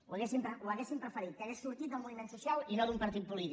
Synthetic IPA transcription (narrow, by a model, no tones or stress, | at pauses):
uɐɣesimpɾəwɐɣesimpɾəfəɾit̪̚kɐɣesːuɾt̪it̪d̪əlmunimẽnt̪susjawinod̪umpɐɾt̪it̪̚pulit̪i